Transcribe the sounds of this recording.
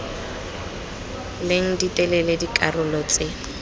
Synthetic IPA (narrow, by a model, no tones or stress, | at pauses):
leŋ̩ditʼɛlɛledikʼarʊlɔt͡sʼɪ